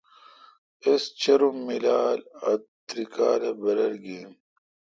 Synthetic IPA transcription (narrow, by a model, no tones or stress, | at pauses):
est͡ɕɐɾumːilaːlɐ̰t̪ɾikaːlɐbɐɾɐlɡiːn